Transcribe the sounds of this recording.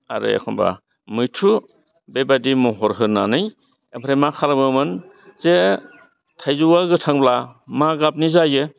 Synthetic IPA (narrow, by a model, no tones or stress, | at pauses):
aɾɯ̰ḛkʰɔmba̰ | mɯjtʰu | bebadimɔɦɔɾɦɯnanɯj | epʰɾemakʰalabɯmɯn | ze | tʰajzuwaɡɯtʰaŋblamaɡap̚nizajɯ